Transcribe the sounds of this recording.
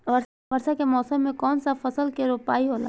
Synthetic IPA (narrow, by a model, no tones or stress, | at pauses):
ʋɐɾ | ʋɐɾsakemɔːsəmːẽkɔːnsafɐsəlkeɾoːpaːiɦoːla̰